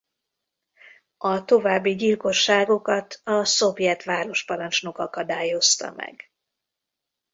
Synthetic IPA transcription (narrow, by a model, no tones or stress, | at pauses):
ɒt̪o̞vaːbːiɟilko̞ʃːaːɡo̞kɒt̪ʰɒso̞vjɛt̪ʋaːɾo̞ʃpɒɾɒnt͡ʃno̞kɒkɒd̪aːjo̞st̪ɒ̰mɛ̰ɡ